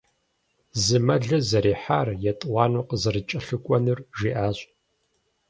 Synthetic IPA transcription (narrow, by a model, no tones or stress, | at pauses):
zɨmɐɮɨzɐɾiːħarjɛtʼwʷɑːnuːqəzɨrɨt͡ʃʼɐɬɨkʷʼɔnɨrʒiːʔaːɕʼ